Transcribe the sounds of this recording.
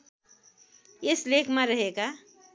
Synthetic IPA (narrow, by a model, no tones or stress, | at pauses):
ɪslekʰmẽɾəɦeɡa